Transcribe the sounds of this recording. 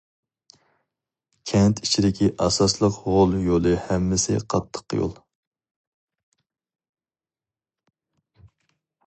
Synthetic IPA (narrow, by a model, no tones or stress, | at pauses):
kʲʰɛnt̪ʰit͡ʃʰid̪ɪkʲʰiʔɑsɑslˠəqʁolˠjolˠɨhɛmːɪsɪ̰qʰɑt̪ʰːə̥qːjo̰lˠ